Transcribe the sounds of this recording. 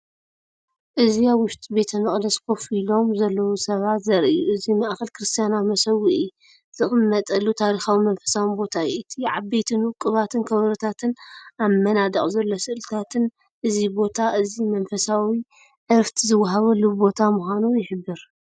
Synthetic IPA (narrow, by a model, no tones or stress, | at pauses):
ʔɨziaβwʊʃt̪ʼibe̞t̪ʰɐmɨχʼd̪ɐsko̞filo̞mzɐlːɐwusɐβat̪zɐɾʔijuʔɨzimɐʔxɐlkɾɨst̪ʰijanaβmɐsɐwiʔi | z̥ɨχʼɨmːɐt̪ʼɐlːut̪ʰaɾixawimɐnfɐ̥sawinbo̞t̪ʰajɛʔit̪ʰiʕa̰be̞t̪ʰɨnwɨkʼːɨβat̪ʰɨnkʰɐβɾɨt̪ʰat̪ʰɨnamːɐnad̪ɐχʼzɐlːosɨʔɨlɨt̪ʰat̪ʰɨn | ʔɨzibo̞t̪ʰaʔɨzimɐnfɐsawi | ʔɐft̪ʰizɨwːaɦaβɐlːubo̞t̪ʰamuxʷanujɪħɨbːɨɾ